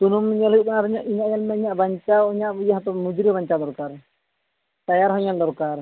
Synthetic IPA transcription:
t̪unumiɲaləbɔnaɾɔɲaʔiɲaʔjalmɛiɲaʔbaɲt͡ʃaiɲaʔjaɦat̪ɔmud͡ʒɾibaɲt͡ʃad̪ɔɾkaɾ | t̪ajaɾɦɔɲand̪ɔɾkaɾ

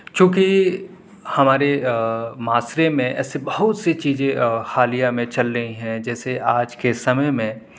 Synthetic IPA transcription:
t͡ʃõːki | hɐmaːɾemaːsɾemẽʔɛ̰ːsebɐɦʊt̪set͡ʃiːzẽxaːlijamẽt͡ʃɐlɾɐɦĩɦɛ̃d͡ʒɛːseʔaːd͡ʒkesɐməjmẽ

